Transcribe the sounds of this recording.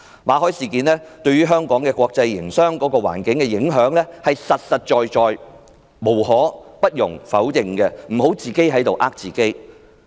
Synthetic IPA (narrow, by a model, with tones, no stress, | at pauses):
maː˨˧˥ɦɔː˨˥jsiː˨kiː˨nlɛː˥t̪ɵ˧ɥyː˥ɦœː˥ŋkɔː˨˥ŋkɛː˧kʷɔː˧k̚t͡sɐ˧jːɪ˨˩ŋsœː˥ŋkɔː˨˥kɔː˧wa̰ː˨˩nkɪ˨˥ŋkɛː˧jɪ˨˥ŋɦœː˨˥ŋlɛː˥hɐ˨jsɐ˨t̚sɐ˨t̚t͡ʃɔː˨jt͡ʃɔː˨j | mo˨˩wɦɔː˨˥pɐ˥t̚jʊ̰˨˩ŋfɐ˨˥wjɪ˨˧ŋkɛ˧m̩˨˩ho˨˥wt͡siː˨˩ke˥jɦɐ˨˥jt̪o˨wʔaː˥k̚t͡siː˨˩ke˥j